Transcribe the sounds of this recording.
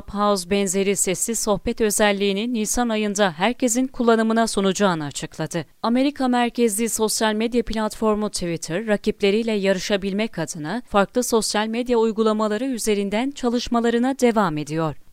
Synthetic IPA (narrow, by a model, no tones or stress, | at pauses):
phazbɛnze̞ɾisɛsːizso̞hpɛt̪ø̞zɛlʲːiːninːisanajɯnd̪aɦæɾcʰe̞zinkʰulˠːanɯmɯnasonud͡ʒaːnɯat͡ʃʰɯklˠad̪ɯ | ame̞ɾikʰamæɾcʰezlʲiso̞sjalʲmed̪japʰlʲat̪fo̞ɾmut̪ʰivit̪ʰɯɾːaciplʲe̞ɾijlʲɛjaɾɯʃabilʲmɛkʰad̪ɯnafaɾklˠɯso̞sjalʲmed̪jaujɡulˠamalˠaɾɯyze̞ɾind̪ænt͡ʃʰalˠɯʃmalˠaɾɯnad̪e̞vaːme̞d̪ijo̞ɾ̥